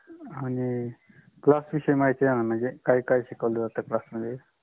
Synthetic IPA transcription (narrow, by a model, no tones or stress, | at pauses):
ani | klasʋiɕəjmajt͡seanamaɳd͡zekajkajɕikaʋld̪əd͡zat̪əklasməd̪ʱje